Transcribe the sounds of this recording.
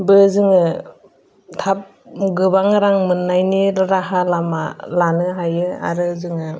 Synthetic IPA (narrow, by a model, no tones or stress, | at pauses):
bɯzɯŋɯ | tʰap̚ | ɡɯbaŋɾaŋmɯnːajniɾaɦalama̰lanɯɦajɯa̰ɾɯzɯŋɯ